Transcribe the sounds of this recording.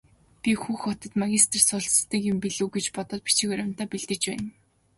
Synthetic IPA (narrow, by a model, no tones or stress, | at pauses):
pʲixuːxɔt̪ɞ̆t̪maɣʲist̪̆ʰrsʊːɮst̪ĭkjʊmpiɮŭːɡet͡ɕpɔt̪ɞ̆t̪̚pi̥t͡ɕɪ̆kœɾʲʊ̆n̥t̪aːpiɮt̪ɘ̆t͡ɕpæːn